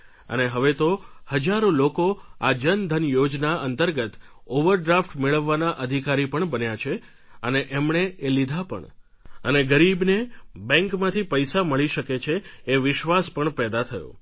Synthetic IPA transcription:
ə̰neɦəʋet̪ohəd͡ʒaɾolokoa̰d͡ʒənd̪ʱənjod͡ʒnaənt̪əɾɡət̪oʋəɾɖɾafʈmeɭəʋːanaʔəd̪ʱikaɾipəɳbənjat͡ʃʰe | əneʔemɳeelid̪ʱapə̰ɳ | ə̰neɡəɾibnebɛ̃ŋkmãt̪ʰipəjsaməɭiʃəket͡ʃʰeːʋɪʃʋaspəɳpɛd̪at̪ʰəjõ̰

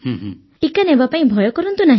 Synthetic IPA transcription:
hũɦ | ʈikanebapaĩbʱɔjɔkɔɾɔnt̪unaɦĩ

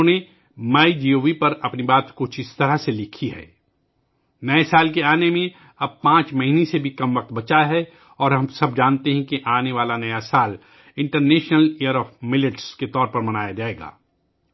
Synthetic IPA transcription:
õne | maːid͡ʒiːoːʋipɐɾɐpnibaːt̪kʊt͡ʃʰɪst̪ɐɾaselɪkʰiɦɛ̰ː | nɐesaːlk̬eaːnemẽ | ɐb̚pãːt͡ʃmɐɦinesebʱikɐmʋɐq̚t̪bɐt͡ʃaɦɛ | ɔːɾɦɐ̃msɐbd͡ʒaːnt̪eɦɛ̃kiʔaːneʋaːlanɐjasaːl | ɪ̃ɳʈəɾneːʃnəlejəɾɔːfmɪlɪʈsket̪ɔːɾpɐɾmɐnaːjad͡ʒaːeːɡa̰ː

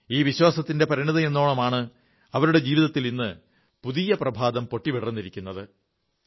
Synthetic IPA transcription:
iːʋiɕwaːsɐt̪ːinde̞pɐɾiɳiðɐenːoːɭɐmaːɳɨ | ɐʋɐɾuɽe̞d͡ʑiːʋiðɐt̪ːilinːɨ | puðijɐprɐbʱaːd̪ɐmpo̞ʈːiʋeɽɐrunːiɾikʲːunːɐðɨ

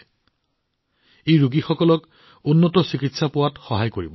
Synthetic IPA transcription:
ejɹuɡixɔkɔlɔk | ʊnːɔtɔsikitsapʊwatxɔɦajkoɹibɔ

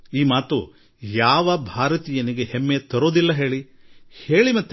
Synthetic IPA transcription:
iːmaːt̪u | jaːʋɐbʱaːɾɐt̪iːjɐniɡe̞hemːet̪ɐɾoːd̪ilːɐɦe̞ːɭi | he̞ːɭimɐt̪ː

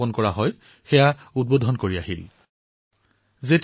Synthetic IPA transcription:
ɔnkɔɹaɦɔj | xɛjaud̚bodʱɔnkoɹiaɦil | zet

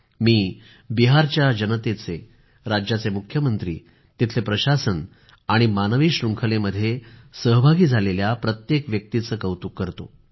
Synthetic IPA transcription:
miː | biɦaɾt͡ɕjad͡ʑənət̪et͡se | ɾad͡ʑjat͡semukʰjəmənt̪ɾḭː | t̪it̪ʰlepɾəɕasən | aɽ̃imanəʋiːɕɾuŋkʰəleməd̪ʱːjesəɦbʱaɡiːd͡zʱaleljapɾət̪jekʋjək̚t̪it͡səːkəwt̪ukːəɾt̪o̰

